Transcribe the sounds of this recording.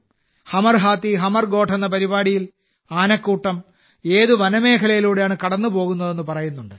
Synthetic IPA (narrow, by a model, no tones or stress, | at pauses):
hɐmɐrɦaːt̪ːiɦɐmɐrɡo̞ːʈʰɐnːɐpɐɾibaːɽijil | aːnɐkːuːʈːɐm | e̞ːðuʋɐnɐme̞ːkʰɐlɐjiluːɽejaːɳɨkɐɽɐnːupo̞ːɣunːɐðe̞nːɨpɐrɐjunːuɳɖɨ